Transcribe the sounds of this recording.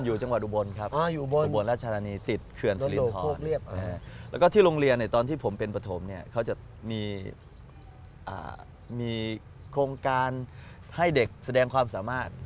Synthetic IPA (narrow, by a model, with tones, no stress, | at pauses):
njuː˨˩t͡ɕa˧ŋwa˨˩t̪̚ʔu˨˧bo˧nkʰa˦˥p̚ʔaː˧juː˨bo˧˨n˧bo˧nɾaː˥˩t̪̚t͡ɕʰa˧aː˧niː˧t̪i˨˩t̪̚kʰɯ˧ənsli˦˨˩ɔːoː˥˩nk̚li˥˩əp̚aː˧˩lɛː˦˥wkɔː˥˩t̪ʰiː˥˩ɾoː˧ŋɾi˧ənː˧˩t̪ɔː˧nt̪ʰiː˥˩pʰo˩˦mpe˧npɾa˧t̪ʰo˩˦mni˥˩ɐkʰa˦˥˩wt͡ɕa˨˩ | miː˧ | ʔa̰ː˨˩ | miː˧ | kʰɾoː˧ŋkaː˧n | ha˥˩jde˨˩k̚sa˧dɛː˧ŋkʰwaː˧msaː˩˦maː˥˩t̪̚